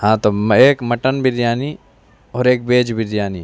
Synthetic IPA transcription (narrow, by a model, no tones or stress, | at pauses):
hãːt̪oeːkmɐʈənbʱiɾjaːni | ɔːɾeːk̚beːd͡ʒbʱiɾjaːniː